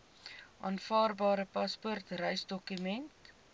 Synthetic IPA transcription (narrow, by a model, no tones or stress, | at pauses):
ʔɑːnfɑːrbɑːɾəpɐspɔrtrœjsdɔkymɛnt